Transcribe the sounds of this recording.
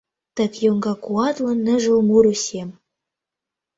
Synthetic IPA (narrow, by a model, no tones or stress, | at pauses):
t̪ɘ̆kjoŋɡɑkuɑt̪lɤ̆nːɘ̆ʒə̆lmuɾusʲem